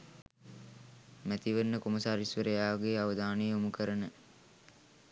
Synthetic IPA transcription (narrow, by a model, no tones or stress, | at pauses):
mæt̪iʋənːəkomɐsaːɾisʋəɾəjaːʋɡeːaʋəd̪aːnəjəumukəɾənə